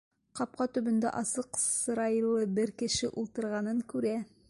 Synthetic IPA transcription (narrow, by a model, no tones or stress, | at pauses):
qɑp̚qɑt̪ɵ̆bɵ̆nd̪æ̰ʔɑsɤqsɤ̆ɾɑjɤlɤbɘɾkɘ̆ʃɘʔulˠt̪ɤ̆ɾʁɑnɤŋkʉɾæ